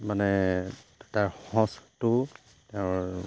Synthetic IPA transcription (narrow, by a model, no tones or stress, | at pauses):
manɛdtaɹxɔ̃stʊ | teʊ̃ɹ